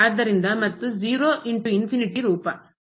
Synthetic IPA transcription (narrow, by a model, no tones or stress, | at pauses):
aːɾd̪ɐɾind̪ɐmɐt̪ːud͡ʒiːɾoːʔiɳʈuinfiniʈiɾuːpɐ